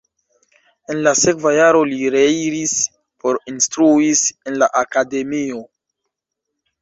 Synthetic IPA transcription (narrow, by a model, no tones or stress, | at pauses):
e̞nlase̞kvajaɾo̞liɾe̞iɾis | po̞ɾinstɾuise̞nlaʔakade̞mio̞